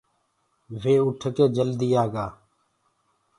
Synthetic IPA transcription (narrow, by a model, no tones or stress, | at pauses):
ʋeːʊʈʰəkeːd͡ʒəld̪ijaːɡaː